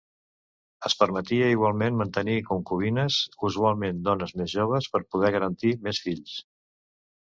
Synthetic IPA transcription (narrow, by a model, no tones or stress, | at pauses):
əspəɾmət̪iəiɣ̞walˠmenmənt̪ənikuŋkuβinəzuzualˠmend̪ɔnəzmezʒoβ̞əspəɾpuð̞ɛɣəɾənt̪imesfiʎs